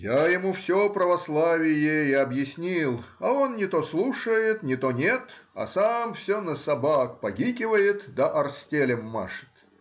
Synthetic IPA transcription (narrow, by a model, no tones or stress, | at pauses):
jajɪmufsʲopɾəvɐslˠavʲɪjeɪɐbjɪsʲnʲilˠ | ɐo̞nnʲɪt̪oslˠuʂəjɪt̪nʲɪt̪onʲet̪ɐ̰samfsʲonəsɐbakpɐɡʲikʲɪvəjɪt̪d̪əʔɐrsʲtʲelʲɪmːa̰ʂɨ̥t̪